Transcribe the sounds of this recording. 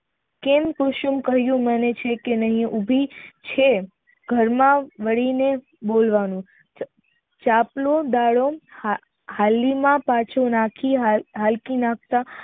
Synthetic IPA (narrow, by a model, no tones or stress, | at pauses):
kempʊʃumkəɦjũmənet͡ʃʰekenəɦĩʔubʱit͡ʃʰe | ɡʱəɾmãʋəɽine | bolʋanũ | t͡ʃaplod̪aɭo | halːimãpãt͡ʃʰonakʰiɦalkinãk̚ʰt̪a